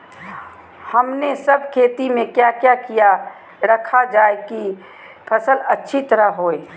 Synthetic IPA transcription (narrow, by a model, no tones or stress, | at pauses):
hɐmnesəbʱkʰeːt̪imẽkjaːkjakija | ɾɐkʰad͡ʒaːeki | pʰɐsəlɐtːʃʰit̪əɾaɦoːeː